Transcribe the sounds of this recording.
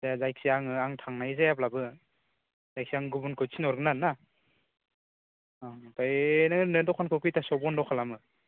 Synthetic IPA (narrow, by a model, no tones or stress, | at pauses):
zaazajk̚siaŋɯaŋtʰaŋnajzajaplabɯ | z̥ajk̚siaŋɡubunkʰɯt͡ʃsʰinɔɾɡɯnanːa | tanɯnɯdɔkʰankʰɯkɯjtasɔbɔndɔkʰalamɯ